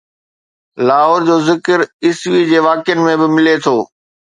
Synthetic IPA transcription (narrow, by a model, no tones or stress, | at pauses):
laːɦoːɾd͡ʑoːzɪkəɾɪsʋid͡ʑeːʋaːkɪjənɪ̆mẽbɪmɪlet̪ʰoː